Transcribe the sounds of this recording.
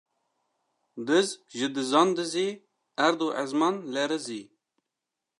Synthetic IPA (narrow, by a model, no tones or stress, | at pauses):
d̪ɨzkʒɨd̪ɨzɑnd̪ɨziː | æɾd̪uʔɛzmɑnlɛɾɨziː